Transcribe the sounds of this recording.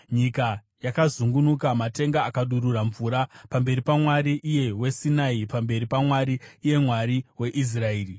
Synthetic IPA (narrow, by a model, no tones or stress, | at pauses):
ɲika | jakazuŋɡunukamate̞ŋɡaːkaɗuɾuraɱvuːɾapambe̞ɾipamwaɾiʔːje̞we̞sinaipambe̞ripamwaɾiːje̞mwaɾiwe̞ʔis̬raeːri